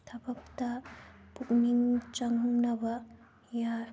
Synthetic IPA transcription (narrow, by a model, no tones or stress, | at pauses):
t̪ʰɐbɐp̚tɐpuk̚niŋt͡ʃɐŋnɐbɐ | ja